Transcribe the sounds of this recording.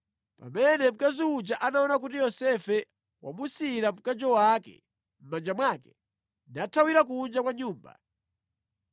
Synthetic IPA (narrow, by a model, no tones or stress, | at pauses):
pa̰mɛnɛm̩kaziud͡ʒaʔanaɔnak̬utijɔsɛfɛ | wa̰musiɾam̩kad͡ʒɔwakɛ̰ | m̩mand͡ʒamwakɛ̥ | natʰawiɾak̬und͡ʒakwaɲuːmba̰